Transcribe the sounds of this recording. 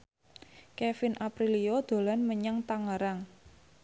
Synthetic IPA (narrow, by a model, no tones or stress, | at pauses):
kɛfɪnʔapɾiliod̪̥o̤lanməɲaŋt̪aŋəɾaŋ